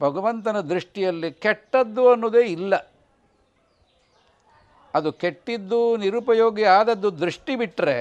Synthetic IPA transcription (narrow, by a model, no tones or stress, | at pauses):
bʱɐɡɐʋɐnt̪ɐnɐd̪ɾiʂʈijɐlːikɛʈːɐd̪ːuɐnːuːd̪e̞ːilːɐ | ɐd̪ukeʈːid̪ːuniɾupɐjo̞ːɡiaːd̪ɐd̪ːud̪ɾiʂʈibiʈɾe